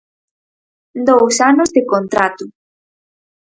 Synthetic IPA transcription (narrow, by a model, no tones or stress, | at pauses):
d̪owsanʊzðɪkont̪ɾat̪ʊ